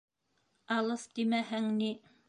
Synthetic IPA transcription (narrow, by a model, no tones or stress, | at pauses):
ɑlˠɤsd̪imæhæŋni